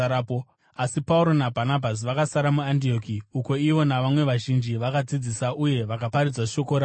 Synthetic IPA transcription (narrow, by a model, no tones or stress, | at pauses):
apo | asipauɾo̞nabʱanabʱas̬iʋakasaɾamuandio̞kiuko̞iʋo̞naʋamwe̞ʋaʒind͡ʒiʋakad͡zid͡zisaʔuje̞ʋakapaɾid͡zaʃo̞ko̞ɾa